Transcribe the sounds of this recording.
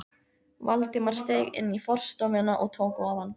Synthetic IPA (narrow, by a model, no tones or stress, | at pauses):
valt̪ɪmaɾ̥st̪eːjɣɪ̰nːifɔr̥st̪ɔmɪnaʔɔɣt̪ʰoːwkʊavanː